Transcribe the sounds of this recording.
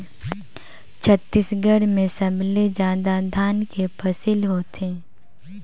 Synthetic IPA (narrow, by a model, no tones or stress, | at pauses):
t͡ʃʰət̪ːisɡəɽmẽsəbʱled͡ʒãːd̪ad̪ʱaːnkepɐsilɦoːt̪ẽː